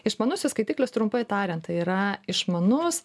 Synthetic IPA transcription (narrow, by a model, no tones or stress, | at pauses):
ɪʃmɐnʊsʲʊskɐɪt̪ʲiːklʲʊst̪ɾʊmpɐɪt̪ɑːɾʲɛnt̪ɐɪiːɾɐɪʃmɐnʊs